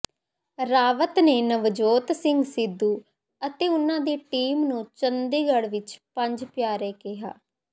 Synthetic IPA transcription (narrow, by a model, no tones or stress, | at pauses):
ɾaːʋət̪neːnəʋd͡ʒoːt̪sɪŋɡsɪd̪ːuː | ət̪eːʊnãːd̪eːʈiːmnũːt͡ʃənd̪eːɡəɽʋɪt͡ʃpə̃ɲd͡ʒpjaːɾeːkɪɦa̰ː